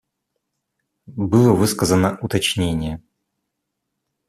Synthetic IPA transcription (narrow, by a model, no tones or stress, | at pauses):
bɨlˠəvɨskəzənəʔʊt̪ɐt͡ɕnʲenʲɪjə